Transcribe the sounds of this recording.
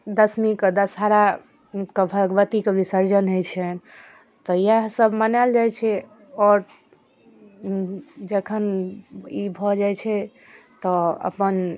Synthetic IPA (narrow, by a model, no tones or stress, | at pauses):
d̪əsmiked̪əsɦaɾa | kebʱəɡʋət̪ikebʱisəɾd͡ʒənɦojt͡ʃʰɛ | t̪ɔjasəbmənald͡ʒajt͡ʃʰɛ | ɔɾ | d͡ʒəkʰən | ibʱɔd͡ʒajt͡ʃʰɛ | t̪ɔə̰pən